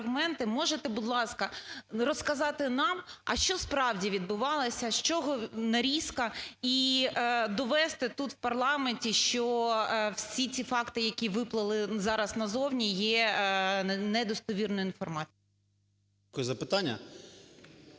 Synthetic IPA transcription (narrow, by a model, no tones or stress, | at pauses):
ɣmɛnt̪ɪmɔʒet̪ɛbʊd̪lˠɑskɐrɔskɐzɑt̪ɪnɑmɐ̰ʃt͡ʃɔspɾɑwdʲiʋʲid̪̚bʊʋɑlˠɐsʲɐʃt͡ʃɔɦɔnɐɾʲiskɐi | d̪ɔʋɛst̪ɛt̪ut̪wpɐrlˠɑmenʲtʲiʃt͡ʃɔwsʲit͡sʲifɑkt̪ɪjɐkʲiʋɪplˠɐlˠɪzɑɾɐsnɐzɔwnʲijɛ | nɛd̪ɔst̪ɔʋʲirnʊjʊinfɔrmɑt͡sʲj | kɔzɐpɪt̪anʲːɐ̰